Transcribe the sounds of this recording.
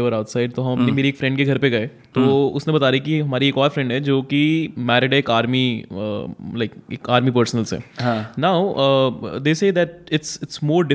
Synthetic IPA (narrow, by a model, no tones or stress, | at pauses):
ʋəɾaʊt̪saɪɖ̚t̪oɦɐ̃mɐpnemeːɾieːkfɾɛ̃ɳɖkeɡʱɐɾpeɡɐet̪oʊsnẽbɐt̪aːɾikiɦɐmaːɾieːkɔːɾfɾɛ̃ɳɖɦɛd͡ʒoːkimɛːɾɪɖɦɛeːkaːɾmiə̰laɪkeːkaːɾmipəːɾsənəlsḛɦãnaːʊə̰d̪eːseːd̪ɛʈ̚ɪʈsɪʈsmoːɾɖɪ